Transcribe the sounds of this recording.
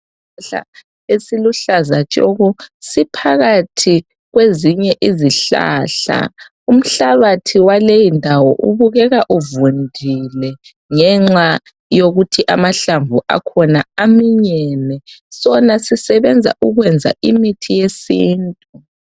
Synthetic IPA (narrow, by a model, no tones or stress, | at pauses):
ɬa̰ | esiluɬazat͡ʃʼɔ̰ɣɔsipʰaɣatʰi | ɣweziɲɛʔiziɬa̰ːɬa̰ | um̩ɬaβatʰiwalejindʱawɔʔṵβuɣɛɣaʔuvundʱilɛ | ŋɛŋ͡ǁa | joɣutʰiʔamaɬaɱvuʔa̰kʰɔnaamiɲɛnɛsɔnasisɛβɛnd͡zʱa̰ʔuɣwɛnd͡zʱa̰ʔimitʰijesiːntʼu